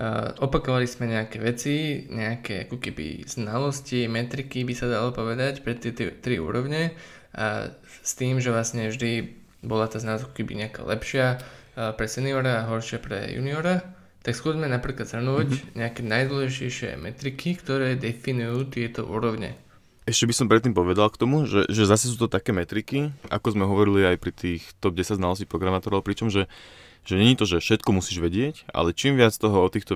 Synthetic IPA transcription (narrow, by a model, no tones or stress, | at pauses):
ʔɔpakɔʋalizmɛɲɛakɛʋɛt͡siɲɛakɛa̰kɔkɛbḭz̥nalɔscimɛt̪ɾikibisad̪alɔpɔʋɛd̪acpɾɛt̪ɪɛt̪t̪ɾiṵːɾɔʊɲɛ | ʔa̰ | st̪iːmʒɛʋlasɲɛvʒd̪i | bɔlat̪aːznalɔsakɔkɛbḭɲɛaka̰ːlɛpʃɪa | pɾɛsɛniɔɾaːɦɔɾʃɪapɾɛ̰jṵniɔɾa | t̪aksxʊɔzmɛnapɾiːklad̪z̥ɾnuːɟɲɛakɛnajd̪lɛʃɛjʃɪɛ̰mɛt̪ɾikʰikt̪ɔɾɛːd̪ɛfinujuːt̪ɪɛt̪ɔʔṵːɾɔʊɲɛ̰ | ɛʃcɛbisɔmpɾɛt̪ːiːmpɔʋɛd̪alkt̪ɔmuʒɛʒɛzasɛs̬uːt̪ɔt̪akɛːmɛt̪ɾikia̰kɔzmɛɦɔʋɔɾiliajpɾit̪iːxt̪ɔb̚ɟɛsaɟznalɔsciːpɾɔɡɾamaːt̪ɔɾɔʊpɾit͡ʃɔmʒɛ | ʒɛɲɛɲiːt̪ɔʒɛfʃɛt̪kɔmusiːʒʋɛɟɪɛca̰lɛt͡ʃiːmʋɪat͡st̪ɔɦɔɔt̪iːxt̪ɔ